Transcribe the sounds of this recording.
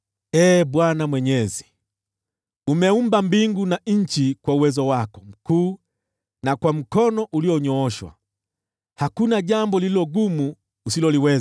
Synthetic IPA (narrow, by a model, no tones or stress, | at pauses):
ɛːɓwanamwɛɲɛzi̥ | umɛumbambiŋɡunaɲ̩t͡ʃikwauwɛzɔwakɔm̩kuː | nakwam̩kɔnɔʔuliɔɲɔɔʃwa̰ | hakunaʄambɔlililɔɡumuː | silɔliwɛz